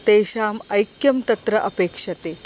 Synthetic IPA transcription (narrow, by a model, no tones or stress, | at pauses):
t̪eːɕaːmɐjkjɐmt̪ɐt̪ɾəʔɐpeːkʂɐt̪e